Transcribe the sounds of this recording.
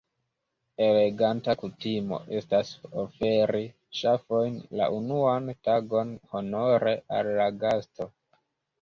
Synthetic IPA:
e̞le̞ɡantakutimo̞̰ʔe̞stasofe̞ɾi | ʃafo̞jnla̰ʔunuantaɡo̞nho̞no̞ɾeʔalːaɡasto̞

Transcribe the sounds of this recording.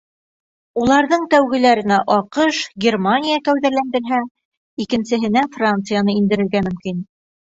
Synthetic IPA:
ulˠɑɾðɤɴt̪æwɡɘ̆læɾɘ̆næʔɑqɤʃɡʲermanʲijakæwðæɾlænd̪ɘ̆ɾɦæ | ikɘ̆nsɘ̆ɦɘ̆næfrant̪sɨjanɤind̪ɘ̆ɾɘ̆ɾɡæmɵ̆mkin

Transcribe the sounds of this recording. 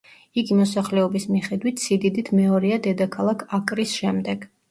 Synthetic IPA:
iɡimɔsaχlɛɔbismiχɛd̪wit̪ʰsid̪id̪it̪ʰmɛɔɾiad̪ɛd̪akʰalˠakʰakʼɾisʃɛmd̪ɛɡ̥

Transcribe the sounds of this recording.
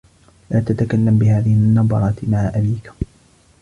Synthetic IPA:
laːt̪at̪akalːambɪhaːðɪhɪnːɑb̪ˤɑɾˤɑːt̪maʕaʔabiːk

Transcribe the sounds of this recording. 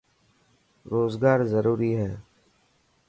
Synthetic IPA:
ɾoːzɡaːɾzəɾuːɾiːɦɛː

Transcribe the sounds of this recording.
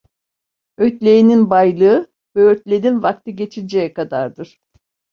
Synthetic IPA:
øt̪lʲe̞jininbajlˠɯɯ | vɛøt̪lʲe̞d̪invak̚t̪ʰɯɟe̞t͡ʃʰilʲd͡ʒejɛkad̪aɾd̪ɯɾ̥

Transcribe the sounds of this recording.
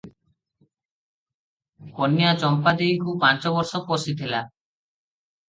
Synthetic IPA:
konːijat͡ɕɔmpad̪eikʰub̚pant͡ɕɔbɔɾʃoposit̪ela

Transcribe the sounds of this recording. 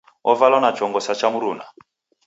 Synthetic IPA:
ɔvalanḁt͡ʃʰɔŋɡɔsat͡ʃamuɾuːna

